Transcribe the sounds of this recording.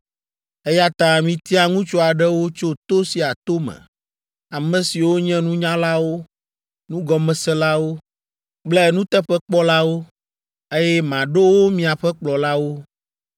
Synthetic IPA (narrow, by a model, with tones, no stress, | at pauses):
e˦ja˦t̪ã˨mĩ˨t̪i˦a˨ŋũ˦t͡ʃo˦a˨ɖɛ˦wo˦t͡ʃo˦t̪o˦si˨a˨t̪o˦mɛ̰̃˨ | a˨mɛ̃˨si˨wo˦ɲɛ̃˦nũ˦ɲã˦la˦wo˦ | nũ˦ɡɔ˨mɛ̃˨sɛ˦la˦wo˦ | k͡plɛ˦nũ˦t̪ɛ˦ɸɛ˦k͡pɔ˦la˦wo˦ | e˦jɛ˦mã˨ɖe˦wo˦mĩ˨a˨ɸɛ˦k͡plɔ˨la˦wo˦